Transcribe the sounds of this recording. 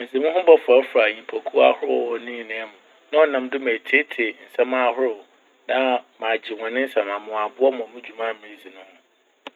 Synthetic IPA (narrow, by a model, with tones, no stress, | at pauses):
mɪ̃˨zɪ˨mɪ̃˦ɦʊ̃˦bɔ˦fa˨˦fɾa˨ɲĩ˨pʰɔ˨kʰu˦a̰˦hʊ˦ɾɔ˨nĩ˦˨nɪ̃˨ɛ˦mʊ̃˨ | nã˦ɔ˨nã˨mdʊ˦me˨tʰe˦tʰɪ˨n̩˨sã˦mã˦˨hʊ˦ɾʊ˨ | nã˦mã˨d͡ʑɪ˨wɔ̃˨nɪ̃˦n̩˦sã˨mã˨mʊ̃˨a˨bʊ˦ɔ˦mɔ̃˨mɪ̃˦d͡ʑᶣu˨mã˦˨mɪ̃˦zi˨nʊ̃˦hʊ̃˦